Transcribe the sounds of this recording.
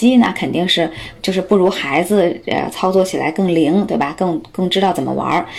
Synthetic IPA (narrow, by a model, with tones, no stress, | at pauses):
i˥nə̰˨kʰə˨˩nt̪i˥˧ŋʂɻ̩˥˩t͡ɕjo˥˧ʊʂɻ̩˥˧pu˥˩ɻu˧˥xa˧˥ɪd͡zɹ̩˧ə̰˧˩t͡sʰɑ˥ʊt͡swɔ˥˩t͡ɕʰi˨˩la̰˧˥ɪkɤ˥˩ŋli˧˥ŋt̪we˥˩ɪbɐ˩kɤ˥˧ŋkɤ˥˩˧ŋʈ͡ʂɻ̩˥t̪ɑ˥˩t͡sə˨˩mə̰˦˥wɐ̰˧˥